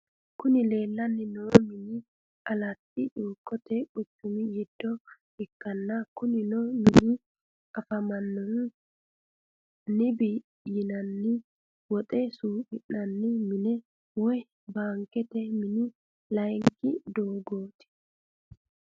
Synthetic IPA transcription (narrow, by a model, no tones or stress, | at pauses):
kʊnɪle̞ːlːɐnːɪnɔmɪnɪ | ʔɐlɐt̪ːɪʔuːkːɔt̪ɛʔʊt͡ʃːʊmɪjɛd̪̥ːɔ | ɪkːɐnːɐkʊnɪnɔmɪnɪ | ɐfɐmɐnːɔn | nɪbiː | jɪnɐnːɪ | wɔt̪ʼɛsuːʔɪnːɐnːɪmɪnɛ | wɔj | baːŋkɛt̪ɛmɪnɪ | lɐjŋkːɪd̪oːɡoːt̪ɪ̥